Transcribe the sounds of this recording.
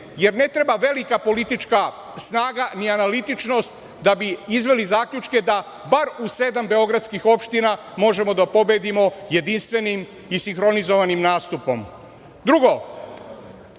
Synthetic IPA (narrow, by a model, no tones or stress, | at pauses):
je̞ɾne̞t̪ɾebaʋe̞likapo̞lit̪it͡ʃka | snaːɡanianalit̪it͡ʃno̞st̪ | d̪abiizʋe̞lizaːkʎut͡ʃke̞d̪a | baɾuse̞d̪ambe̞o̞ɡɾat̪skixo̞pʃt̪ina | mo̞ʒe̞mo̞d̪apo̞bed̪imo̞je̞d̪inst̪ʋe̞nim | isiŋxɾo̞nizo̞ʋanimnaːst̪upo̞m | d̪ɾuɡo̞